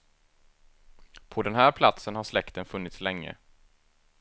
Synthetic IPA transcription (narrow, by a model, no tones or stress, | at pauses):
pʰɔd̪ɛnɦæːɾpʰlat̪sənhaʂlɛkt̪ənfɵnːɪt̪slɛŋːə̰